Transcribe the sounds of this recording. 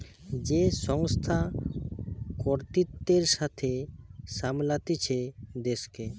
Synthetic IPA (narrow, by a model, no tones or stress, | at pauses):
d͡ʑeʃɔŋst̪ʰa | kɔɾt̪it̪ːeɾʃat̪ʰeʃamlat̪it͡ɕʰed̪eʃke